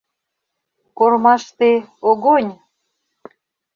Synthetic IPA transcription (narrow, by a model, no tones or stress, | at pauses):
kormɑʃt̪eoɣonʲ